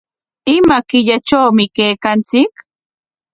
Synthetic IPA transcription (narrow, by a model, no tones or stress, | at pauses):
ɪmakɪʎat͡ʃawmɪkejkant͡sɪk